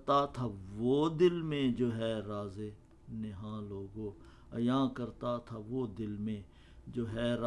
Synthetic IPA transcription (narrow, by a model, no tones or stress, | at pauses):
t̪at̪ʰaʋoːd̪ɪlmẽd͡ʒoːɦɛːɾaːzeː | neɦãːloːɡõː | əjãːkəɾt̪at̪ʰaʋoːd̪ɪlmẽ | d͡ʒoːɦɛːɾ